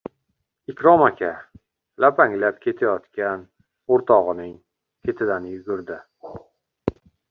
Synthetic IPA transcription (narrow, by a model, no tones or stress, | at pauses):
ɪkʲɾɒmakʲʰa | lapʰaŋlap̚kʲʰe̞t̪ʰajɒt̪kʲan | oɾt̪ʰɒʁɨnɪŋ | kʲʰe̞t̪ʰɪd̪anjʊɡʲʊɾd̪ɪ